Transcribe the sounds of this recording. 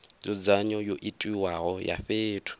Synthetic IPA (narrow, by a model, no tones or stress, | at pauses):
d͡zɔd͡zaɲɔjoʔitʼiwaɣɔja̰ɸeːtʰʊ̥